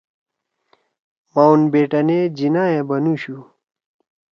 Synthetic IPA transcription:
mawnbeːʈɐneːd͡ʑinaːjẽbɐnuɕu

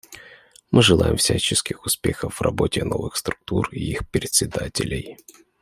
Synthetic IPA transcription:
mʔɨʐɨlˠajɪmfsʲat͡ɕɪskʲɪxʊspʲexəfrɐbo̞tʲɪnovɨxst̪ɾʊk̚t̪uriixpʲɾʲɪt̪ʲsʲɪd̪atʲɪlʲɪj

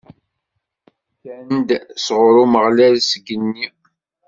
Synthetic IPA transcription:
kænd̪sʁʊɾuməʁlælsəɡənːi

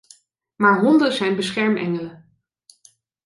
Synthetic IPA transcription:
maːɹɦɔndəzɛjnbəsχɛɹmɛ̰ŋələ

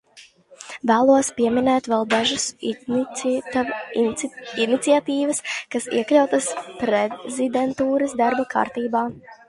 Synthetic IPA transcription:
væːlˠuɔspʲiɛminɛːt̪vɛlˠd̪aʒus | init̪siat̪iːvɐskasḭɛklʲawt̪aspɾezid̪ɛnt̪uːɾɐsd̪aɾbɐka̰ːɾt̪iːbaː

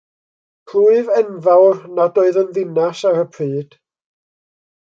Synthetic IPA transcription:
kʰruːɨvɛnvawrnadɔɨðənðɪnasaɾəpʰriːd̥

